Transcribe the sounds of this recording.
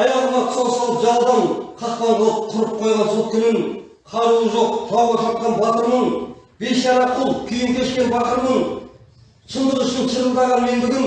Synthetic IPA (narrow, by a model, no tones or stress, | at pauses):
ɑjɑlˠənɑq̪ʰsɑlˠsɑlˠəpʒɑlˠd̪ɑnqʰɑspɑnd̪əlˠəp̚qʰʊɾəp̚qʰo̞jʁɑnsʰo̞lˠkʲʰʏnɪŋ | qʰɑɾuəʒo̞q̚ʒʰɑwʁɑʃɑt̪̚qɑnbɑt̪əɾnəɴb̥e̞sjɑɾɑqʰʊlˠkʲʰʏjɪmt̪ʲe̞ʃkʲe̞nbɑt̪əɾnəɴ | ʃʰənd̪əʁʏʃnɪŋʃʰəɾənd̪ɑʁɑnme̞nbɪɡʲɪŋ